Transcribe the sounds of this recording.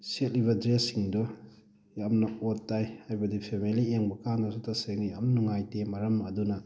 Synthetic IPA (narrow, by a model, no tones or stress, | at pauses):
set̚liβɐdɾesːiŋdɔ | jamnɐotːajhajbɐdipʰemelieŋbɐkandɐsutɐseŋijamnuŋajtemɐɾɐmɐdunɐ